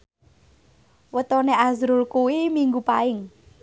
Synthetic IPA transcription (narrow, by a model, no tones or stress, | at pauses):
wət̪ɔneazɾʊlkuwimiŋɡupaɪŋ